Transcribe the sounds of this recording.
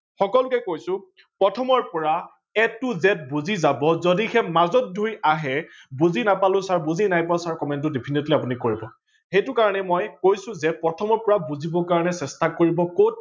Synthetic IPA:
xɔkɔlʊkɛkojsʊ̃ | pɹɔtʰɔmɔɹpɔɹa | ɛtːʊzɛt̚buzizabɔzodixɛmazɔt̚dʱujaɦɛbuzinapalʊ̃saɹbuzinajpasaɹkɔmɛnt̬ʊdipʰinetliapʊnikoɹibɔ | xejtʊkaɹɔnɛmɔjkojsʊ̃zɛpɹɔtʰɔmɔɹpɔɹabuzibɔkaɹɔnɛsɛstakoɹibɔkot̚

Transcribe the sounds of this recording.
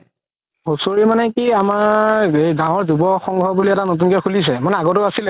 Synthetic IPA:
hosoɹimanɛkiamaɹejdãw̃ɔɹzubɔxɔŋɡʱɔbuliɛtanot̬unkɛkʰulis̬ɛmanɛaɡɔtʊasilɛ

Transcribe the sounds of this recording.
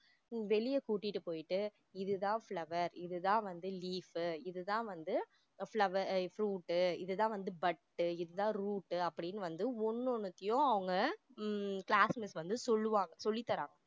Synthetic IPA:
ʋɛɭɪjɐkuːʈːɪʈːɯpoːjɪʈːɯ | ɪðɯt̪ãːfɭɐʋɐɾɪðɯðãːʋɐnd̪ɯliːfɯɪðɯt̪ãːʋɐnd̪ɯ | fɭɐʋɐɾfɾuːʈːɯɪ̰ðɯt̪ãːʋɐnd̪ɯbɐʈːɯɪðɯðãːɾuːʈːɯɐpːɐɽɪnːɯʋɐnd̪ɯɔnːɔɳɯt̪ːɪjõɐʋɐŋɡɐ | kɭaːsmɪsʋɐnd̪ɯsɔlːɯʋaːŋɡɐsɔlːɪt̪ːɐɾa̰ːŋɡɐ

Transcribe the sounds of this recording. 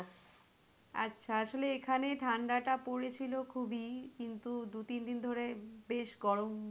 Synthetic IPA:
a̰tːɕʰaaʃoleekʰaneʈʰaɳɖaʈapoɾet͡ɕʰilokʰubikint̪ud̪ut̪ind̪ind̪ʱoɾebeʃɡɔɾom

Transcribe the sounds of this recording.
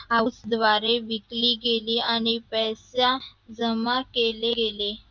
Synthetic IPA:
aut͡sd̪ʋaɾeʋikliːɡeliːañipəjsad͡zəmakeleɡele

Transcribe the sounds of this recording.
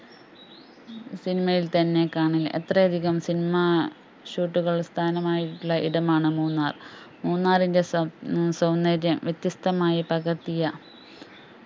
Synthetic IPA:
sinimɐjilt̪ɐnːe̞kaːɳilːe̞̰t̪rɐjɐd̪ʱiɣɐmsinimɐ | ɕuːʈːuɣɐɭst̪ʰaːnɐmaːjiʈːuɭːɐʔiɽɐmaːɳɨmuːnːaːr | muːnːaːrinde̞sɐwnːɐɾjɐmʋjet̪jɐst̪ɐmaːjipɐɣɐrt̪ːijɐ

